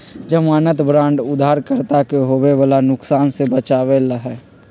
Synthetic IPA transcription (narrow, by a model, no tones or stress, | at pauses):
d͡ʒəmaːnət̪bɾãːɳɖʊd̪ʱaːɾkəɾt̪akeɦoːweʋalanʊksaːnsebət͡ʃaːʋeləɦɛː